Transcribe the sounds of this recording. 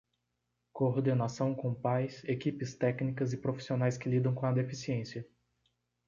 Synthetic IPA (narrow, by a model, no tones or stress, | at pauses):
koɾd̪enasɐ̃w̃kõpajsekipɪst̪ɛknikɐzɪpɾofi̥sionajskɪlid̪ɐ̃w̃kõɐd̪efisiẽsiɐ